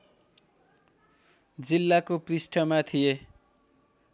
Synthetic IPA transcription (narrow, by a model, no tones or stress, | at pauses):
d͡zilːakoprisʈʰʌmat̪ʰije